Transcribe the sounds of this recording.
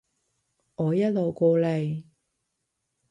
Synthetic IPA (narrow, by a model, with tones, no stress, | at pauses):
ŋɔː˨˧jɐ˥t̚lo˨wkoː˧le˨˩j